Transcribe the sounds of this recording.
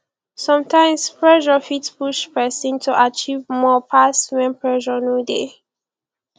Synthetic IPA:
sɔ̃mtʰãɪ̃mspʰɹɛʒɔfitspuʃpɛsĩntʰuʔat͡ʃivmɔpʰaswɛ̃npɹɛʃɔnude

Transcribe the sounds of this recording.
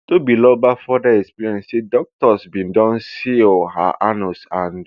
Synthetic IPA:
tobilɔbafɔdaɛkspiɹiɔ̃nssedɔk̚tɔsbĩndɔ̃nsiha̰ʔanɔsãn

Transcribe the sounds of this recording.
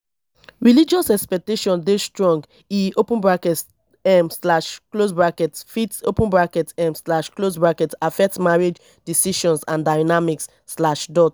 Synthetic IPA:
ɹilid͡ʒɔsɛkspɛk̚teʃɔ̃ndestɹɔ̃ŋɡ | iopãnbɹakɛt | ɛmslaʃklosbɹakɛtfitopə̃nbɹakɛtɛ̃mslaʃklosbɹakɛtafɛk̚tmaɹid͡ʒ | disiʃɔ̃nsãndaɪnamiksːlaʃdɔt

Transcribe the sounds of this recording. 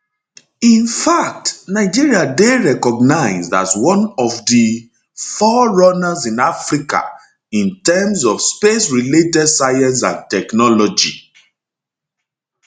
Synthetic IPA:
ĩnfak̚tnaɪd͡ʒiɹiadeɹɛkɔɡ̚naɪzda̰twɔ̃nɔvdi | fɔɹɔnazĩnafɹika̰ | ĩntɛmsɔfspesɹiletɛdsaɪãns̬ã̰ntɛknɔlɔd͡ʒḭ

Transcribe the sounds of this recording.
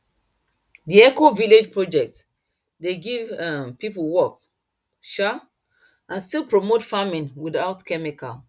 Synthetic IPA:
diɛkoviled͡ʒpɹɔd͡ʒɛk̚t | deɡivapipəlwɔk̚ | ʃa | ʔãnstilˠpɹomotfamĩnwidaʊtkʰɛmika̰

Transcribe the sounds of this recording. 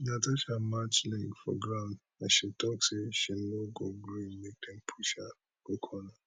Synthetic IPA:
natat͡ʃamat͡ʃliɡfɔ̰ɡɾãʊ̃ndnaʃitɔkseʃin̩noɡoɡɾinmek̚dem̩pʰuʃa | okʰɔna

